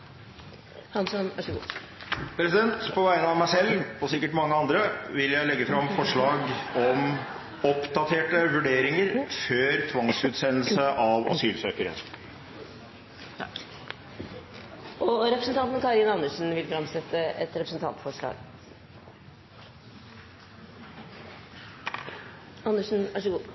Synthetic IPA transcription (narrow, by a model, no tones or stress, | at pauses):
hɑnsɔnæ̰ʂɔɡṵː | pʰɾɛsɪd̪ɛnt̪pʰɔʋæɪənəɑʋmæɪsɛlːpʰɔsɪkːəʈmɑŋːəɑnd̪ɾəʋɪljæɪlɛɡːəfɾɑmfɔʂɭɑːɡɔm | ɔpd̪ɑt̪ʰeːʈəʋʉɖeːɾɪŋəɾføːɾt̪ʰʋɑŋsʉːt̪seːnl̩səʔɑʋɑ̰syːlsøːkəɾə̰n | ɔɾɛpɾəsən̩t̪ɑnt̪nkɑɾɪnɑnːəʂn̩ʋɪlfɾɑmsɛt̪ːəɛt̪ɾɛpɾəsn̩t̪ʰɑ̰nt̪fɔʂɭɑ̰ːɡ | ɑnːəʂn̩ʋæʂɔɡuː